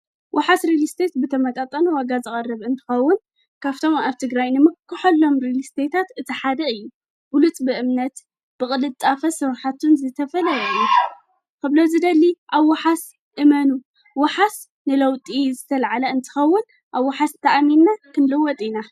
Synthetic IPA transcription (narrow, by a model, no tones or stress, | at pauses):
wʔaħasɾilist̪ʰet̪bɨt̪ʰɐmɐt̪ʼat̪ʼɐnuwaɡazɨkʼɐrːɨβɨnt̪ʰɨ̥xɐwːʊn | kʰaβt̪ʰo̞maβt̪ʰɨɡɾajnɨmɨkːɨħolːo̞mɾilist̪ʰet̪ʰat̪ɨt̪ʰiħad̪ɐɨjːu | bʊlut͡sʼbɨʔɨmnɐt̪ | b̥ɨχʼɨlɨt͡sʼafɐsɨɾħat̪ʰunzɨt̪ʰɐfɐlɐjɐju | kɨβlozɨd̪ɐlːiʔaβːaħas | ʔɨmɐnu | wɐħas | nɨlɐwt̪ʼizɨt̪ʰɐlʕalɐɨnt̪ʰɨ̥xɐwːʊn | ʔaβːaħast̪ʰɐʔaminːakʰɨnlɨwɔt̪ʼina